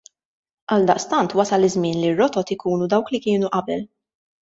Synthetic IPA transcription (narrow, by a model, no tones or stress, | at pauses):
ʔɐld̪ɐʔst̪ɐnt̪wɐsɐlɪzmɪːnlirːɔt̪ɔt̪ɪkuːnud̪ɐwklikɪːnuʔɐbɛl